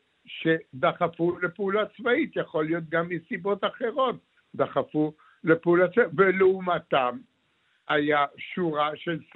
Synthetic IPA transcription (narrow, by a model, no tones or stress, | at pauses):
ʃed̪aχafulepeulat͡svait̪jaχo̞lijo̞t̪̚ɡamːisibo̞t̪aχe̞ʁo̞t̪̚ | d̪aχafu | lepeulat͡svaveleumat̪am | ajaʃuʁaʃels